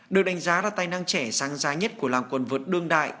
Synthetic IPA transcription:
ɗɨ˨˩ək̚ɗa˨˦ŋ̟zaː˨˦laː˨˩t̪aː˧˩jna˧ŋt͡ɕɛ˧˩saː˨˦ŋzaː˨˦ɲə˦˥t̚ku˧˩əlaː˨˩mkwə˨˩nvɨ˨˩t̚ɗɨ˧əŋɗa̰ː˧˨j

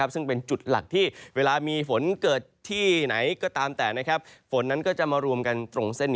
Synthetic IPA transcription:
a˦˥p̚sɯ˥˩ŋpe˧nt͡ɕu˨˩t̪̚la̰˨˩k̚t̪ʰiː˥˩weː˧laː˧miː˧fo˩˦nkɤː˨˩t̪ʰːiː˥˩na˩˦jkɔː˥˩t̪aː˧mt̪ɛː˨˩na˦˥kʰa˦˥p̚fo˩˦nːa˦˥nkɔː˥˩t͡ɕa˨˩maː˧ɾu˧əmka˧nt̪ɾo˧ŋse˥˩nːi˦

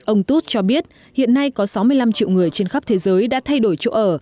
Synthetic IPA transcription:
ʔə˧wŋ͡mt̪u˦˥t̚t͡ɕɔ˧ɓi˦˥ət̚ | hḭ˧˨ənːa˧jkɔ˨˦sa˨˦wmɨ˧əjla˧mt͡ɕḭ˧˨wŋɨ˨˩əjt͡ɕe˧nxa˦˥p̚t̪ʰe˨˦zəː˨˦jɗa̰ː˧˥t̪ʰa˧jɗo˧˩jt͡ɕo̰˧ʔəː˧˩

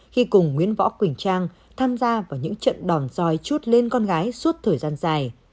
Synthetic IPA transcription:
xi˧kʊ˨˩ŋ͡mːwḭ˧˥ənvɔ̰˧˥kwï˨˩ŋ̟t͡ɕaː˧ŋ | t̪ʰaː˧mzaː˧vaː˨˩wɲɨ̰˧˥ŋt͡ɕə̰˧˨nɗɔ˨˩nz̥ɔ˧˩jt͡ɕu˦˥t̚le˧nkɔ˧nɣaː˨˦jsu˦˥t̚t̪ʰəː˨˩jzaː˧nzaː˨˩j

